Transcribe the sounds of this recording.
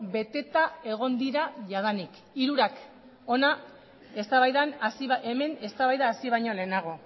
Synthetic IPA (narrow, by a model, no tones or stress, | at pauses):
be̞t̪e̞t̪ae̞ɣ̞o̞nd̪iɾaʝaðanik | iɾuɾak | o̞na | e̞st̪aβajðansiβeme̞ne̞st̪aβajðaːsiβ̞ajɲo̞le̞ːnaɣ̞o̞